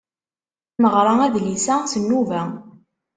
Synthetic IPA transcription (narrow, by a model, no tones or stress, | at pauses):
məʁɾˤɑæðlisæsənːuvæ